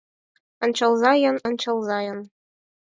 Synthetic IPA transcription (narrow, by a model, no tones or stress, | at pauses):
ɤ̆nt͡ɕɤ̆lˠzɑjɤ̆nɤ̆nt͡ɕɤ̆lˠzɑjɤ̆n